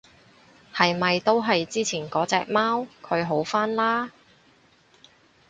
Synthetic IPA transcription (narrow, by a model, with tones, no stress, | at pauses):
hɐ˨jmɐ˨jt̪o˥wɦɐ˨jt͡siː˥t͡sʰiː˨˩nkɔː˨˥t͡sɛː˨k̚maː˥wkʰɵ˨˧ɥɦo˨˥wfaː˥nlaː˥